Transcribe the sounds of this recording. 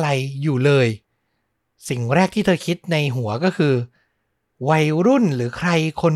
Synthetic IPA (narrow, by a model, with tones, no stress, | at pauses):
ɾa˧jːuː˨˩lɤː˧j | si˨˩ŋɾɛː˥˩k̚t̪ʰiː˥˩t̪ʰːkʰi˦˥t̪̚na˧jɦu˩˦ɐkɔː˥˩kʰɯː˧ | wa˧jɾu˥˩nɾɯː˩˦kʰɾa˧jkʰo˧n